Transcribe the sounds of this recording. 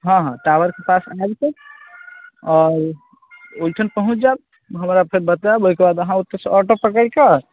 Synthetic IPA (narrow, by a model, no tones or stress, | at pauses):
ɦʌ̃ɦãʈawəɾkepasajbset̪ | ɔɾ | ojʈʰənpəɦũt͡ʃd͡ʒab̚ | ɦəmɾapʰeɾbət̪abojkebad̪əɦãut̪ːesɔɾʈopəkəjkə